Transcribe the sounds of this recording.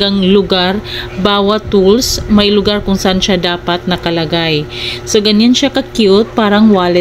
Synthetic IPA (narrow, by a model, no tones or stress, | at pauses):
ɡaŋlʊɡaɾbaːwɐt̪ːulsmɐjlʊɡaɾkʊŋsɐʔanʃad̪aːpɐt̪̚nɐkɐlɐɡajsoɡɐɲːanʃakɐkjut̪̚paːɾɐŋwaːlɛ